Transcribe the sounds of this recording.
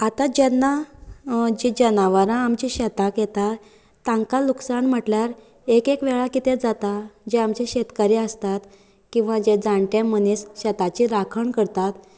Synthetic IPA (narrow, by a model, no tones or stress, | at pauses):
at̪ad͡ʑɛnːa | d͡ʑid͡ʑənaʋaɾãːmt͡ɕiɕɛt̪akjet̪a | t̪ːãŋkaluksaɳm̤əʈljaɾ | ekekʋɛɭakit̪ed͡zat̪ad͡ʑeamt͡ɕeɕet̪kaɾeəst̪at̪ | kĩw̃ʋãd͡ʑed͡zãɳʈẽmənisɕɛt̪at͡ɕiɾakʰəɳkəɾt̪at̪